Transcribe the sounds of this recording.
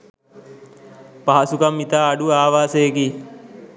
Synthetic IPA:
paɦɐsukamːit̪aːɖuaːʋaːseːki

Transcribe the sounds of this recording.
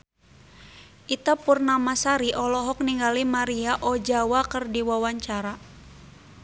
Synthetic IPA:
ʔit̪apurnamasaɾiʔɔlɔɦɔk̚niŋɡalimaɾiaʔɔd͡ʒawakərdiwawaɲt͡ʃaɾa

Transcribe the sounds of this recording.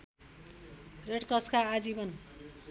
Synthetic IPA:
reʈkʌskaːd͡zibʌn

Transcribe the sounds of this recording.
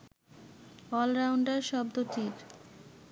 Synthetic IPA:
ɔlɾawɳɖaɾʃɔb̚d̪ot̪iɾ

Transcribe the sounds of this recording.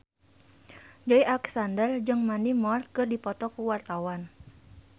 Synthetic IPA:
d͡ʒɔiʔalɛksandərd͡ʒɨŋmandimɔrt̪̚kɨrdipɔt̪ɔkuwart̪awan

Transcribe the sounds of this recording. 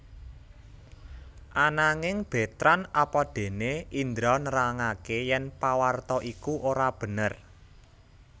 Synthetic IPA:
ʔanaŋɪŋb̥e̤t̪ɾanapɔd̪̥e̤neʔind̪ɾɔnəɾaŋakejɛnpawart̪ɔʔikuʔoɾab̥ə̤nər

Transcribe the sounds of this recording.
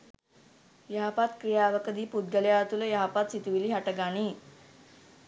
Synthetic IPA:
jəɦapat̪kɾijaʋəkəd̪iːpud̪̚ɡəljat̪uləjaɦapat̪sit̪uʋiliːɦaʈəɡañiː

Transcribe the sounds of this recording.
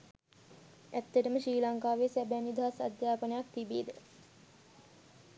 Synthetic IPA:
æt̪ːəʈəməʃɾiːlaŋkaːʋeːsæbænid̪ʱaɦasa̰d̪jaːpənəjak̚t̪ibeːd̪ə

